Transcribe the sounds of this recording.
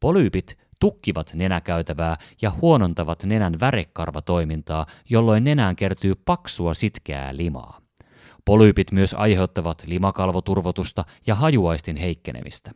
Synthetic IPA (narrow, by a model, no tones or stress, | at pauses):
po̞lyːpit̪ | t̪ukːiʋɑt̪ne̞nækæyt̪æʋæːjɑhuo̞no̞nt̪ɑʋɑt̪ne̞nænʋæɾekːɑ̰rʋɑt̪o̞jmint̪ɑːjo̞lːo̞jnːe̞næːŋk̟e̞rt̪yːpɑksuɑsit̪k̟eæ̰ːlimɑ̰ː | po̞lyːpit̪myø̞sɑ̰jhe̞wt̪ːɑʋɑt̪limɑkɑlʋot̪urʋot̪ust̪ɑjɑɦɑjuɑjst̪inɦe̞jkːe̞nʔḛmḭst̪æ̥